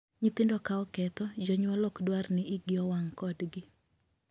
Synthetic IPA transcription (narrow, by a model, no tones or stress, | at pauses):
ɲit̪ɪndɔkaɔkɛt̪ɔd͡ʒɔɲwɔlɔkdwarnɪiɡɪɔwaŋkɔdɡɪ